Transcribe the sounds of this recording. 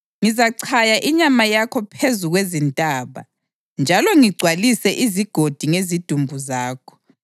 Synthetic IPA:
ŋizaǀʰajaʔiɲamajakʰɔpʰezuɣwezintʼaːβa̰ | nd͡ʒʱalɔŋiɡ͡ǀʱwalisɛʔiziɡ̥ʱod̥ʱiŋezid̥ʱumbʱuzaːkʰɔ̥

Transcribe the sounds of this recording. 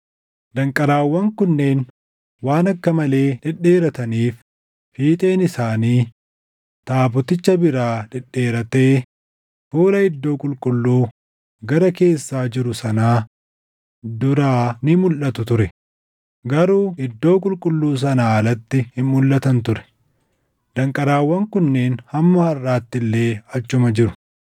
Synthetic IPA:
d̪ɐŋkʼɐɾaːwːɐŋkʊnːe̞ːn | waːnɐkːɐmɐle̞ːᶑɪᶑːe̞ːɾɐt̪ɐniːf | fiːt̪ʼe̞ːnɪsaːniː | t̪aːbʊt̪ɪt͡ʃːɐbɪɾaːᶑɪᶑːe̞ːɾɐt̪eː | fuːlɐɪd̪ːo̞ːkʼʊlkʼʊlːuː | ɡɐɾɐke̞ːsːaːd͡ʒɪɾʊsɐnaː | d̪ʊɾaːnɪmʊlʔɐt̪ʊt̪ʊɾɛ | ɡɐɾuːɪd̪ːo̞ːkʼʊlkʼʊlːuːs̬ɐnaːɐlɐt̪ːɪhɪmmʊlːɐt̪ɐnt̪ʊɾɛ̥ | d̪̥ɐŋkʼɐɾaːwːɐŋkʊnːe̞ːnhɐmːɐːrːaːt̪ːɪlːe̞ːɐt͡ʃːʊmɐd͡ʒɪɾʊ̥

